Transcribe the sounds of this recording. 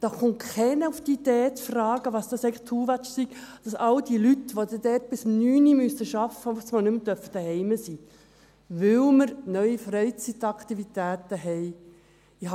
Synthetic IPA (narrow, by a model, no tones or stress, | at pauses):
d̥ɑχʊntkɛnəufd̪iːd̥̪eːət͡sfrɑːɡ̥əʋɑsd̥ɑsɛɪɡŋlχtʰuːʋæt͡ʃsiɡ̥d̥ɑsɑld̥ilytʋod̪ɛd̪ɛt̚b̥ɪsmnyːnimysəʃɑfəusmɑnɵmt̪œɾfəd̥əhɛɪməsiː | ʋɪlməɾnœʏifɾɛɪt͡sit̪ɑkt̪ivit̪æːtəɦɛɪ | ɪh